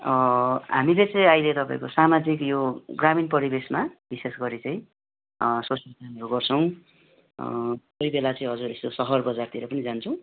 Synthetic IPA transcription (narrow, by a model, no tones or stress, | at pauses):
ʌɦa̰milet͡sʌj̃ajlet̪ʌpaĩkosamad͡zikjoɡraminpʌɾibesmab̥isesɡʌɾit͡sʌĩ | sosjʌltanʌɾuɡʌrt͡sʰʌw̃ | tʌibelat͡sʌĩʌd͡zuɾest̪osʌɦʌrbʌd͡zart̪iɾʌpʌnid͡zant͡sʰʌ̃w̃